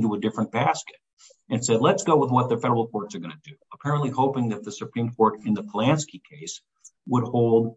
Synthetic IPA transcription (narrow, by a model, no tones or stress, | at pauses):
ntuədɪfɹɨ̃nb̥æskɨt̚ | ɨ̃nsɛdˡlətsɡ̥oʊwəðwʌt̪̚ðɨfɛɾə˞l̩ˠkʰɔɹtsə˞ɡʌ̃nɨdʉəpʰɛɹɨ̃nʔlihoʊpɪ̃ŋðɨt̪̚ðɨsɨpʰɹ̥ĩmkʰɔɹɾɨ̃nðəpʰlæ̃nskikʰeɪs | wəd̚hoʊlˠd̚